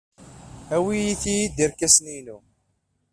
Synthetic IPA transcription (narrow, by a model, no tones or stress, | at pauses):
æwijiθijid̪iɾkæsninu